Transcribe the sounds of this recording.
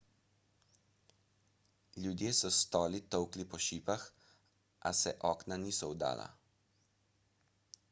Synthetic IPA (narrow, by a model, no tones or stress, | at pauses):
lʲjud̪jeːsɔst̪ɔːlit̪ɔwklipɔʃiːpax | ʔa̰sɛʔɔːknaniːsɔwd̪a̰ːla̰